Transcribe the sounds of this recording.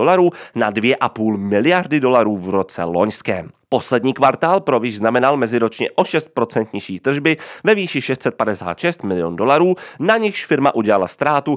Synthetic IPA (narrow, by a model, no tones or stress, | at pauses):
olaɾuːnadvjɛʔapuːlmɪlɪjaɾdɪdo̞laɾuːvɾo̞t͡sɛ̰lo̞̰ɲskɛ̰ːmpo̞slɛdɲiːkvaɾt̪aːlpɾovjɪʒznamɛnalmɛzɪɾo̞t͡ʃɲɛʔo̞ʃɛst̪̚pɾo̞t͡sɛnt̪ɲɪʃiːt̪r̩ʒbɪvɛviːʃɪʃɛst̪sɛt̪̚padɛsa̰ːt̪ʃɛst̪mɪlɪjo̰ndo̞laɾuːnaɲɪxʃfɪɾmaʔuɟɛlalast̪ɾaːt̪u